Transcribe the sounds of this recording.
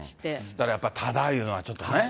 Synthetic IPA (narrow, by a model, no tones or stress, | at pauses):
i̥etaɾajap͈atadaiɯnwat͡ɕʰʌt̪͈one